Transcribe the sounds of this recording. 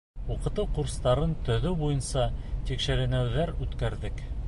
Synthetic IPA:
uqɤ̆t̪ɤwquɾst̪ɑɾɤnt̪ɵ̆ðɵbujɤnsɑt̪ikʃɘ̆ɾɘ̆næwðæɾʉt̪kæɾðɘk

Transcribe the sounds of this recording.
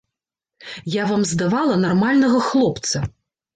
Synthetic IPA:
javamzd̪avalˠɐnarmalʲnɐɣɐxlˠɔpt̪sɐ

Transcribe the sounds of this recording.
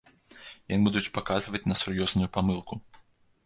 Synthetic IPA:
jɔnbud̪ut͡sʲpakazvɐt͡sʲnɐsurjɔznujupamɨlˠku

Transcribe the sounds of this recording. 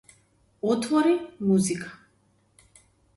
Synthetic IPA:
ɔt̪ʰɔɾimuzikʰʼḁ

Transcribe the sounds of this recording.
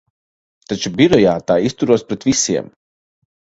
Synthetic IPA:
t̪at͡ʃubiɾɔjaːt̪aːist̪uɾuɔspɾɛt̪visiɛm

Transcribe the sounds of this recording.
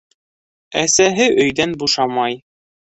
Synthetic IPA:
æsæɦɘʔɵ̆jðænbuʃɑmɑj

